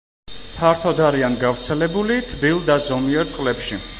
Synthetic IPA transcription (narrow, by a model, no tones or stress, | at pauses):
pʰaɾt̪ʰɔd̪aɾianɡavɾt̪sʰɛlɛbulit̪ʰbilˠd̪azɔmiɛɾt̪sʼqʼlɛpʃi